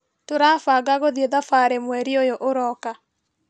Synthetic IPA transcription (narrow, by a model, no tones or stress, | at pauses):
toɾaːfaɡaɣoðieðafaɾemwɛɾiojoʔoɾɔka